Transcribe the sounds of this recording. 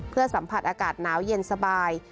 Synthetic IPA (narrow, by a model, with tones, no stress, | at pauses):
pʰɯ˥˩əsa˩˦mpʰa˨˧˩t̪̚ʔaː˧kaː˨˩t̪̚naː˩˦˥wje˧nsa˧baː˧j